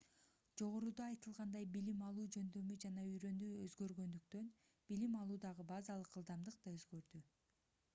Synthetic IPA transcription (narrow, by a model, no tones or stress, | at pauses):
d͡ʒo̞ʁo̞ɾud̪ɑːjt̪ɯlˠʁɑnd̪ɑjbilimɑlˠuːd͡ʒø̞nd̪ø̞myd͡ʒɑnɑyjɾø̞nd̪yøzɡø̞ɾɡø̞nd̪ykt̪ø̞n | b̥ilimɑlˠuːd̪ɑʁɯbɑzɑlˠɯqɯlˠd̪ɑmd̪ɯq̚d̪ɑøzɡø̞ɾd̪y